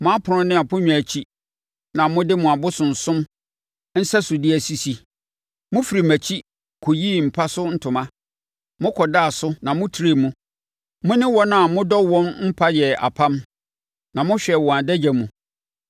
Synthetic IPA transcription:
mʊ̃˦a˦pʰʊ˨ɾʊ̃˦nɪ̃˦a˨pʰʊ̃˦ɲᶣ˨æ˨t͡ɕʰi˦ | nã˨mʊ̃˦dɪ˦mʊ̃˨a˨bʊ˦sʊ̃˨n̩˨sʊ̃˦m | n̩˦sɛ˦sʊ˨dɪ˦æ˨si˨si˨ | mʊ̃˦fi˨ɾi˨mæ˨t͡ɕʰi˦ | kʰo˨jiː˦˨m̩˨pʰa˦sʊ˦n̩˦tʰʊ̃˨mã˦ | mʊ̃˦kʰɔ˨da˦˨sʊ˦nã˨mʊ̃˦tʰi˨ɾe˨mũ˦ | mʊ̃˦nɪ̃˦wɔ˦nã˨mʊ̃˦dɔ˦wɔ̃˦nm̩˦pʰa˦jɛ˨a̰˨pʰã˦m | nã˨mʊ̃˦ɕᶣɛ˨wɔ̃˨a˨dɛ˦d͡ʑæ˨mũ˨

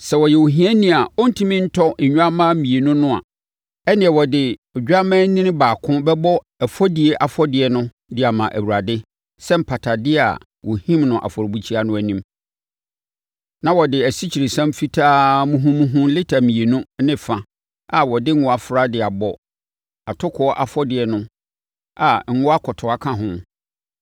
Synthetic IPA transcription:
sɛ˨wɔ˨jɛ˨wo˨ɦĩ˦ɛ˦nĩ˨a˨ɔ˦n̩˦tʰĩ˦mĩ˦n̩˦tʰɔ˦ɲ̩˨ɲᶣũ˦a˦mã˦mĩ˨e˨nũ˦nʊ̃˦a̰˨ | ɛ˦nɪ̃˨ɛ˨wɔ˨dɪ˨ɔ˨d͡ʑᶣa˦mɛ̃˦nĩ˦nɪ̃˦baː˨kʰʊ̃˦bɛ˦bɔ˦ | æ˨fɔ˦di˨e˦ʔa˨fɔ˦dɪ˨ɛ˦nʊ̃˦ | dɪ˦a˨mã˨ʔæ̰˨wu˨ɾa˨dɪ˦ | sɛ˦m̩˨pʰa˨tʰa˨dɪ˦a̰˨ | wɔ˨hĩ˦mnʊ̃˨ʔa̰˨fɔ˨ɾbu˨t͡ɕʰi˦a˦nʊ̃˦æ˨nĩ˦m | nã˨wɔ˨dɪ˨æ˨si˦t͡ɕʰi˨ɾe˨sã˦mfi˦tʰaː˦mũ˦ɦũ˦mũ˦ɦũ˦lɪ˦tʰa˨mĩ˨e˨nũ˦nɪ̃˦fã˨ | a˨wɔ˨dɪ˦ŋ̩˦ʊ̃˨a˨fɾa˦dɪ˨a˨bɔ˨ | a˨tʰʊ˦kʰɔ˨˦ɔ˦ʔa˨fɔ˦dɪ˨ɛ˦nʊ̃˦ | a˨ŋ̩˦ŋʊ̃˦a˦kʰɔ˨tʰɔ˨a˦kʰã˦ɦʊ̃˦

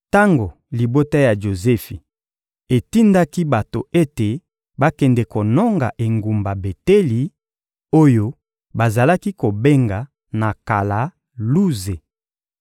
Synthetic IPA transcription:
ta˦ŋɡo˨ | li˨bo˦ta˦ja˨ʒo˨zɛ˦fi˨ | e˨ti˦nda˦ki˦ba˨to˨e˦te˨ | ba˦kɛ˨ndɛ˨ko˨nɔ˦ŋɡa̰˨ʔe˨ŋɡu˨mba˨be˨tɛ˦li˨ | o˦jo˦ | ba˨za˨la˦ki˦ko˨be˦ŋɡa˨ | na˨ka˨la˨ | lu˦ze˨

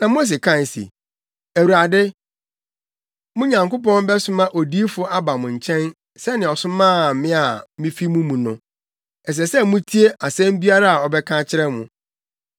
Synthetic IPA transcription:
nã˨mõ˦s̬e˨kʰã˦˨n˨sḭ˨ | æ˨wu˨ɾa˨dɪ˦ | mʊ̃˦ɲã˨ŋko˦pɔ̃˦nbɛ˦sʊ˦mã˦ʔo˨di˦fʊ˦a˦ba˨mʊ̃˨ɲ̩˨t͡ɕʰɛ̃˦n | sɛ˦nɪ̃˨ɔ˨sʊ̃˦mãː˦˨mɪ̃˦a˨mĩ˦fi˦mũ˦mũ˨nʊ̃˦ | ɛ˨s̬ɛ˨sɛ˦mũ˦tʰi˦e˦ʔa˨sɛ̃˦m˦bi˦a˦ɾa˦a˨ɔ˨bɛ˦kʰã˦t͡ɕʰɪ˦ɾɛ˦mʊ̃˨

